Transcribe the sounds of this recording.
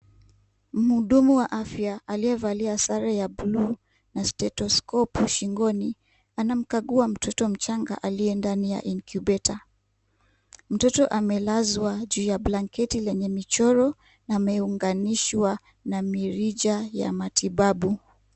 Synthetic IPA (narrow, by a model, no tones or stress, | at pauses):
m̩huɗumuwaʔafjaʔaliɛvaliasaɾajablu | nastɛtɔskɔpuʃiŋɡɔni | anam̩kaɠuam̩tʰɔtɔm̩t͡ʃaŋɡa̰ʔaliɛndanija̰ʔiŋkʰubɛtʰa | m̩tɔtɔʔamɛlazwaʄuːjablaŋkɛtilɛɲɛmit͡ʃɔɾɔ | naːmɛuŋɡaniʃwa | namiɾiʄaja̰matʰiɓaɓu